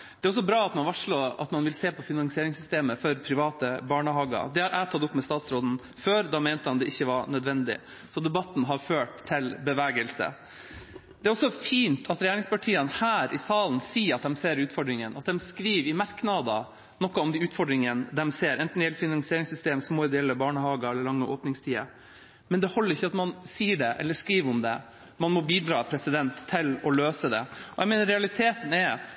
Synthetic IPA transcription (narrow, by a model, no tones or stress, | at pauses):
d̪ɛæɾɔs̬ːɔbɾɑːɑt̪mɑnʋɑʂɭoːʔɑ̰t̪mɑnʋɪlseːpʰɔfɪnɑŋsɪeːɾɪŋsʏst̪eːməfɔɾpʰɾɪʋɑːt̪əbɑːɳəɦɑːɡɑ̰d̪ɛhɑɾʔæːt̪ʰɑt̪ːʊpːmɛst̪ɑːt̪sɾoːd̪n̩ | føːɾd̪ɑmeːnt̪əhɑnd̪ɛʔɪçːəʋɑɾɳœd̪ʋɛnd̪ɪ̰ | sɔd̪ɛbɑt̪n̩ɦɑɾføːʈt̪ʰːɪlbəʋæːɡəlsə̰ | d̪ɛæɾɔsːɔfiːnt̪ʰɑt̪ɾɛjeːɾɪŋspɑʈʰiːənhæːɾʔɪsɑːlnsiːɾɑt̪̚d̪ɛmseːɾʉːt̪fɔɖɾɪŋənɑt̪̚d̪ɛmskɾiːʋɪmɑɾknɑd̪ɑ | nɔkːɔɔmd̪ɪʉːt̪fɔɖɾɪŋənd̪ɛmseːɾʔɛnt̪n̩ɪɛlfɪnɑŋsɪeːɾɪŋsʏst̪eːmsmoːɪd̪ɛɛlːəbɑːɳəhɑːɡɑɛlːəɭɑŋːəʔoːpnɪŋst̪ʰiːə̰ | mɛnd̪ɛhɔlːəɾɪçːəɑt̪mɑnsiːəɖɛʔɛ̰lːəʂkɾiːʋʊmd̪ɛ | mɑnmɔbiːd̪ɾɑːpʰɾɛsɪd̪ɛnt̪ʰːɪlɔløːsəd̪ɛ̰ɔjɛɪmeːnəɾɛɑlɪt̪ʰeːt̪nɛɾ